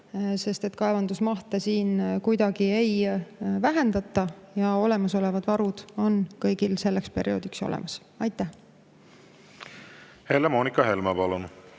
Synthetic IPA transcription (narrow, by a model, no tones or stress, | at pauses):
se̞st̪et̪kɑevɑnd̪usmɑht̪esiːnkujd̪̥ɑɡ̥ie̞jvæɦe̞nd̪̥ɑt̪ːˑɑjɑo̞le̞mɑso̞le̞vɑd̪̥vɑɾud̪̥o̞nkɤjɡ̥ilse̞lːekspe̞ɾʔio̞ːd̪̥ikso̞̰lḛmɑs | ɑjt̪ːˑæh | helemoːnikːˑɑɦe̞lmɑpɑlon